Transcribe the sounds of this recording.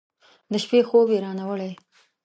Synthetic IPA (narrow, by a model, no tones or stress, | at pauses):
d̪əʃpexobjeɾɑnawəlaj